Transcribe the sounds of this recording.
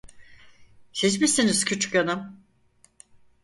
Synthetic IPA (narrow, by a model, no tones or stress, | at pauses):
hid͡ʒmisiniz̥cʰyt͡ʃy̥kanɯm